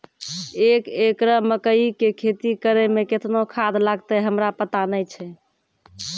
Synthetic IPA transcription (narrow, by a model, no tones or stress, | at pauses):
ekekɾəməkəikekʰet̪ikəɾɛmeket̪nokʰad̪laɡt̪ɛɦəmɾapət̪anəjt͡ʃʰɛ